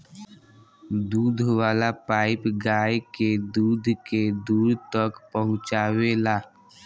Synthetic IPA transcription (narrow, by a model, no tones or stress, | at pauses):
d̪uːd̪ʱwaːlapaːɪpɡaːjked̪uːd̪ʱked̪uːɾt̪əkpəɦʊ̃t͡ʃaːwelaː